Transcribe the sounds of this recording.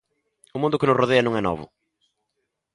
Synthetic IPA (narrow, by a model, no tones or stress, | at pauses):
ʊmũnd̪ʊkɪnʊsroðeɐnɐ̃ŋ̃ɛnɔ̰βʊ̰